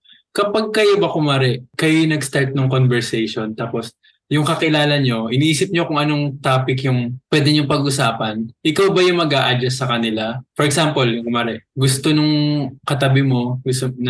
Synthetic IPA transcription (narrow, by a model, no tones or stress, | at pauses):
kɐpaɡ̚kɐjobɐkʊmaɾɛkɐjojnɐɡst̪aɹt̪̚nʊŋkonvɛɹsɛjʃo̞nt̪aːpo̞s | jʊŋkɐkɪlaːlɐɲo̞ʔɪniʔiːsɪp̚ɲokʊŋʔɐno̞ŋt̪aːpɪkjʊŋpwɛːd̪ɛɲʊŋpɐɡʔʊsaːpɐnʔɪkawbɐjʊŋmɐɡʔaːʔɐd̪ɛsːɐkɐnɪlafɔɾɛksampolkmaːɾɛʔɡʊst̪o̞nʊŋkɐt̪ɐbɪmo̞ɡʊst̪on